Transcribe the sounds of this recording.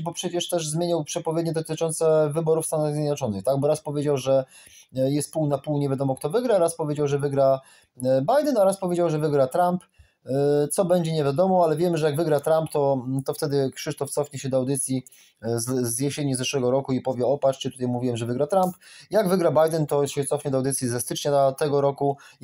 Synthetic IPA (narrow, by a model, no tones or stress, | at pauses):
bɔpʂɛt͡ɕɛʂt̪ɛʐzmʲjeɲawpʂɛpɔvʲed̪ɲɛd̪ɔt̪ɘt͡ʂɔnt̪sɛvɘbɔɾufst̪anaɣzʲjed̪nat͡ʂɔnɘxt̪aɡ̚bɔɾaspɔvʲjed͡ʑawʐɛ | jɛst̪̚puwnapuwɲevʲjad̪ɔmɔk̚t̪ɔvɘɡɾaɾaspɔvʲjed͡ʑawʐɛvɘɡɾa | bajd̪ɛnaɾaspɔvʲjed͡ʑawʐɛvɘɡɾat̪ɾamp | t̪sɔbɛɲd͡ʑɛɲevʲjad̪ɔmɔalɛvʲjɛmɘʐɛjaɡvɘɡɾat̪ɾampt̪ɔt̪ɔft̪ɛd̪ɘkʂɘʂt̪ɔft̪sɔfɲɛɕɛd̪ɔawd̪ɘt̪sʲji | zzjɛɕeɲizɛʂwɛɡɔɾɔkuipɔvʲjɛɔpat͡ʂɛt̪ut̪ajmuvʲiwɛmʐɛvɘɡɾat̪ɾampjaɡvɘɡɾabajd̪ɛnt̪ɔɕɛt̪sɔfɲɛd̪ɔawd̪ɘt̪sʲjizɛst̪ɘt͡ʂɲat̪ɛɡɔɾɔku